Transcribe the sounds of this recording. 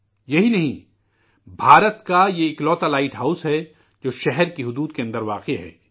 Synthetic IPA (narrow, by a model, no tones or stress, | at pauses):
jɐɦinɐɦĩ | bʱaːɾət̪kajeɪklɔːt̪alaːɪʈɦaːʊsɦɛ | d͡ʒoːʃɛɦɛɾkiɦʊd̪uːd̪keɐ̃nd̪əɾʋaːqeɦɛ̰ː